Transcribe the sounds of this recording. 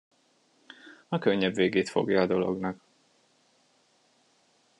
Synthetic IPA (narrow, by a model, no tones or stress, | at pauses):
ɒkøɲːɛbveːɡeːt̪fo̞̰ɡjɒːd̪o̞lo̞̰ɡnɒk